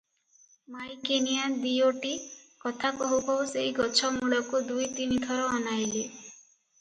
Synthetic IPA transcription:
majkenijad̪ioʈikɔt̪ʰakɔɦukɔuseɦiɡɔt͡ʃʰɔmuɽɔkud̪ujt̪init̪ʰɔɾɔːnajle

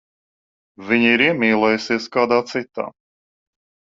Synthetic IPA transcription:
vʲiɲiiːɾiɛmiːlˠɛjusiɛskaːd̪aːt̪sit̪a̰ː

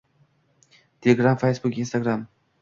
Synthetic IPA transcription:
t̪eleɡɾãmfesbukinst̪aɡɾam

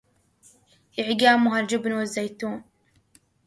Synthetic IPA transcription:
ʔɪʕɡaːmʊɦald͡ʒɪbnwɪzːajt̪uːn

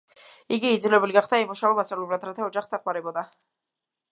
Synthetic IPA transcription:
iɡiːd̪zilɛbuliɡaχd̪aimuʃavɛmasavlɛbɾad̪ɾat̪ʰaɔd͡ʒaχsd̪aqʼwaɾɛbɔd̪a

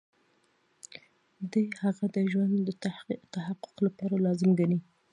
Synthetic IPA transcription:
d̪əjhaɣad̪əʒwand̪ːət̪ahaqːʊ̥qlapɑɾalɑzɪmɡani

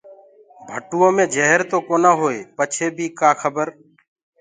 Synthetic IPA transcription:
bʱəʈuːõːmẽːd͡ʒəɦəɾt̪oːkoːnaːɦoːeːpət͡ʃʰeːbʱiːkaːxʰəbəɾ

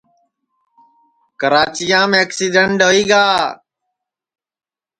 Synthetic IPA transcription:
kəɾaːt͡ʃijãːmẽːəksiːɖəɳʈɖəʋiːɡaː

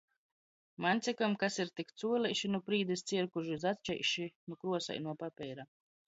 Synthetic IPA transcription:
manʲt̪sʲɛkamkasiɾt̪ikt̪suɔlʲɛjʃinupɾiːd̪ist̪siɛɾkuʒzat̪t͡ʃɛ̰jʃinukɾuɔsa̰jnuɔpapʲɛjɾa

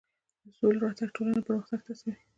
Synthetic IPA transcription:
d̪əsolɾɑt̪aɡ̚ʈolanapəɾəxt̪aɡ̚t̪asawi

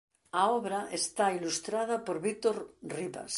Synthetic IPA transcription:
aoβɾaʔest̪ailust̪ɾað̞apoɾβit̪oɾriβa̰s

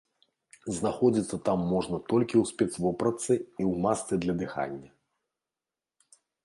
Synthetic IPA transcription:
znaxɔd͡zʲit̪sːɐt̪amːɔʐnɐt̪ɔlʲkʲiwsʲpʲɛt̪svɔpɾɐt̪sɨiwmast̪sɨd̪lʲɐd̪ɨxa̰nʲːɐ

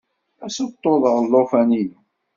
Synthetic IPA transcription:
æsət̪ˤːoðˤəʁˤlːofæni

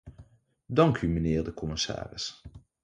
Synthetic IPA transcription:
dɑŋkymənɪːɹdəkɔmɪsa̰ːrɪ̰s

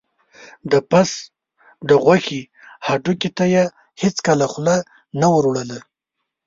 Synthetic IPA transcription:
d̪əpas | d̪əɣwaxi | haɖukit̪aje | hɪt͡skəlaxla | nawəɾwɽəla

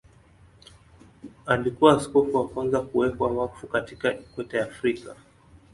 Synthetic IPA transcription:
alikuwaːskɔfuwakwanzakuwɛpwawafukatikaikwɛtajaːfɾika

